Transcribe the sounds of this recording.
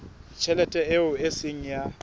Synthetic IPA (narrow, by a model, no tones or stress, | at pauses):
t͡ʃʰɛlɛtʼɛeʊesɪŋ̩ja